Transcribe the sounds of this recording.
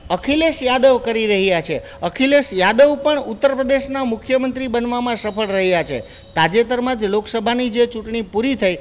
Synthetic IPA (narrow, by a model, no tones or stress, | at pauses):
əkʰileʃjad̪əʋkəɾiɾəɦjat͡ʃʰe | əkʰileʃjad̪əʋpəɳut̪ːəɾpɾəd̪eʃnamʊkʰjəmənt̪ɾibənʋamãsəpʰəɭɾəɦjat͡ʃʰḛ | t̪ad͡ʒet̪əɾmãd͡ʒloksəbʱanid͡ʒet͡ʃuʈɳipuɾit̪ʰaj